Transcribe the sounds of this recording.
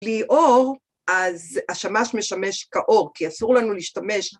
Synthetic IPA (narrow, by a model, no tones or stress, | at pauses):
liʔoʁ | ʔazaʃamaʃme̞ʃame̞ʃkaʔo̞ʁkiasuʁlanuliːʃtame̞ʃ